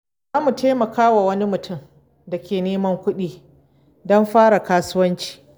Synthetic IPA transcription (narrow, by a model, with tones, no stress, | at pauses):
zaː˦mu˨teː˦mɐ˨kaː˦wa˨wɐ˦ni˦mʊ˨tʊ˦˨m | da˨kʲeː˨neː˦mɐ˦ŋkʷʊ˦ɗiː˦ | dɔ˦mɸaː˦ɽa˨kaː˦sʊ˦wɐ˦nt͡ʃi̥ː˨